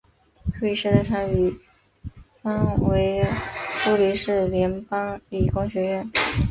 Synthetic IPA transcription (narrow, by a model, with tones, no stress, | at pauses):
we˥˩i˧ʂ̩˥t̪ʈ͡ʂʰɑ˥ŋy˧˩ | fɑ˥ŋwe˧˥ɪt͡sʰu˥li˧˥ʂɻ̩˥˩ljɛ˧˥npɑ˥ŋli˨˩kʊ˥ŋɕɥɛ˧˥ɥɛ˥˩n